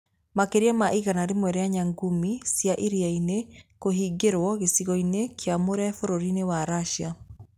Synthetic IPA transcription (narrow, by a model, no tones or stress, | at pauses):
makeɾiamaʔiɣanaɾemwɛɾeaɲaŋɡumisjaʔiɾiainekoɦiɡeɾwɔɣesiɣɔinekʰeamoɾɛfoɾoɾinewaɾaʃa